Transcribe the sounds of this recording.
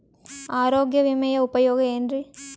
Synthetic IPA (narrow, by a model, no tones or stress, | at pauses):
aːɾoːɡjɐʋimɐjɐʊpɐjoːɡɐendri